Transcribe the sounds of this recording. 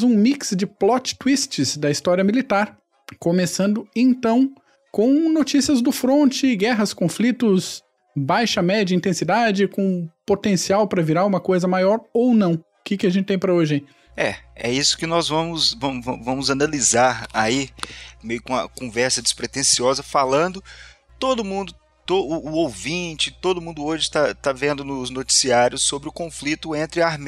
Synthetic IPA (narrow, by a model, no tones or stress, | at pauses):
zũmiksd͡ʒɪplɔt͡ʃɪ̥t̪wist͡ʃɪzd̪ɐist̪ɔɾiɐmilit̪aɾ | komesɐ̃nd̪ʊẽnt̪ɐ̃w̃ | kõw̃not͡ʃisiɐzd̪ʊfɾõnt͡ʃɪɡɛɦɐskõflit̪ʊz | bajʃɐmɛd͡ʒɐĩnt̪ẽsid̪ad͡ʒɪkõpot̪ẽsiawpɾɐviɾaɾũmɐkojzɐmajɔɾownɐ̃w̃ʊkɪkɪɐʒẽtt͡ʃɪt̪ẽj̃pɾɐoʒɪẽj̃ | ɛɛ̰isʊ̥kɪnɔzvɐ̃mʊsvɐ̃vɐ̰̃vɐ̃mʊzanalizaɾaimejʊkõɐ̰kõvɛɾsɐd͡ʒɪ̥spɾet̪ẽsiɔzɐfalɐ̃nd̪ʊ | t̪od̪ʊmũnd̪ʊ | t̪oʊːowvĩt͡ʃɪt̪od̪ʊmũnd̪ʊoʒɪt̪at̪avẽnd̪ʊnʊznot͡ʃi̥siaɾjʊsːobɾɪʊkõflit̪ʊẽnt̪ɾɪaɾme